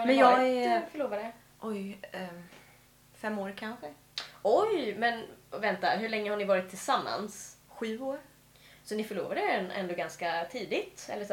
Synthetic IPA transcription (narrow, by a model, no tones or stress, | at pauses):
hamɛnjɑɛfœɭoːvad̪ɛ | ʔɔj | fɛmːoːɾkʰanɧə | ɔjmɛnvɛnt̪aɦɵɭɛŋːəhaɳɪvɑːɾɪt̪ʰːɪlsamːa̰nsɧʉ̟ːoːɾ | sɔnɪfœɭoːvad̪əɛɛnʔɛ̰nd̪oːɡanskat̪ʰiːd̪ɪt̪ɛ̰lːəʂ